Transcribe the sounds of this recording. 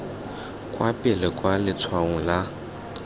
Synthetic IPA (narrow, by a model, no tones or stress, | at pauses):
kʼwapʼɪlɛkʼwalɪt͡sʰwaŋʊla